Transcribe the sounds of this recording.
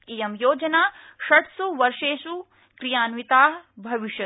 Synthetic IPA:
ijɐmjoːd͡ʒɐnaːʃɐʈsuʋɐɾʂeːʃu | kɾijaːnʋit̪aːɦbʱɐʋiʃjɐ

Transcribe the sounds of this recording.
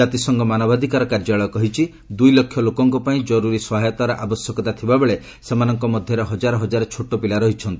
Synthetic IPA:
at̪isɔŋɡɔmanɔbad̪ʱikaɾɔkaɾd͡ʒaɭɔjɔkɔɦit͡ʃʰi | d̪ujlɔkʰːjɔlokɔŋkupaĩd͡ʒɔɾuɾisɔɦajɔt̪aɾɔʔabɔsjɔkɔt̪at̪ʰibabeɭe | semanɔŋkɔmɔd̪ʱjɔɾeɦɔd͡ʒaɾɔɦɔd͡ʒaɾet͡ʃʰoʈopilaɾɔɦit͡ʃʰɔnt̪i

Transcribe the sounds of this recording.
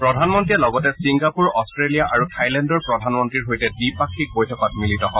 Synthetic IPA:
pɹɔdʱanmɔntɹijalɔɡɔtɛsiŋɡapuɹɔstɹelijaʔaɹutʰajlɛndɔɹpɹɔdʱanmɔntɹiɹɦojtɛdipakʰːik̚bojtʰɔkɔtmilitɔɦɔ

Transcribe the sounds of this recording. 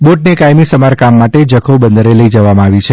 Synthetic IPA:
boʈnekajmisəmaɾkamːaʈed͡ʒəkʰobənd̪ʱəɾeləid͡ʒəʋamãaʋit͡ʃʰe

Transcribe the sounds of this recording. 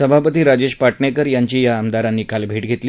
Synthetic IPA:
əbʱapət̪iːɾad͡ʑeɕpaʈɳekəɾjaɲt͡ɕiːjaːmd̪aɾanːiːkalbʱeːʈɡʱet̪li

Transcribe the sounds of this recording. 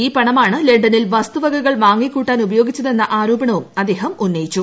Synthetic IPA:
iːpɐɳɐmaːɳɨle̞ɳɖɐnilʋɐst̪uʋɐɡʱɐɣɐɭʋaːŋːikʲːuːʈːaːnubɐjo̞ːɡit͡ɕːɐðe̞nːɐʔaːɾoːbɐɳɐʋumɐd̪ːe̞ːɦɐmunːɐjit͡ɕːu

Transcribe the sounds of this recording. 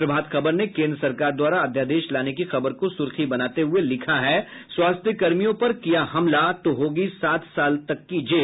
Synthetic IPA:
pɾɐbʱaːt̪xɐbəɾnekẽːnd̪ɾəsɐɾkaːɾd̪waːɾaɐd̪ʱjaːd̪eːʃlaːnekixɐbəɾkosʊɾxibɐnaːt̪eɦʊelɪkʰaɦɛːswaːst̪ʰjəkɐɾmijõpɐɾkijaɦɐmlat̪oɦoːɡisaːt̪ʰsaːlt̪ɐkːid͡ʒeː

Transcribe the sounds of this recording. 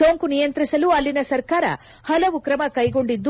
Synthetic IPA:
soːŋkunijɐnt̪ɾisɐluɐlːinɐsɐɾkaːɾɐ̰ | hɐlɐʋukɾɐmɐkɐjɡo̞ɳɖid̪ːu

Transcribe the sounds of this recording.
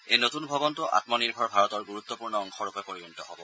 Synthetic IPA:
ejnotunbʱɔbɔntʊʔa̰tmɔniɹbʱɔɹbʱaɹɔtɔɹɡuɹut̪ːɔpuɹnɔɔŋxɔɹupɛpoɹibɔnitɔɦɔbɔ

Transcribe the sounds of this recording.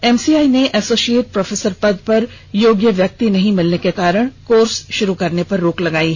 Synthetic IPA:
ɛmsiaːineʔɛsoːʃieːʈ̚pɾɔːfʰeːsəɾpɐd̪̚pɐɾ | joːɡjəʋjɐk̚t̪inɐɦĩmɪlnekekaːɾəɽ̃koːɾsʃʊɾukɐɾnepɐɾːoːklɐɡaːi

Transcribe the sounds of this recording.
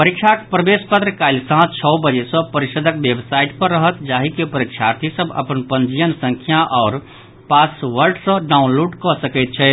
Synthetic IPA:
pəɾikʃʰakpɾəbespət̪ɾəkaɪlsãɦt͡ʃʰɔbəd͡ʒesə̃pəɾiʃəd̪ʱək̚bebsaiʈpəɾːəɦət̪d͡ʒaɦikepəɾikʃʰaɾt̪ʰisəbʱə̰pənpənd͡ʒijənsə̃ŋkʰjaʔɔːɾ | pasʋəɾɖsə̃ɖaunluɖkɔsəkɛt̪̚t͡ʃʰɛ

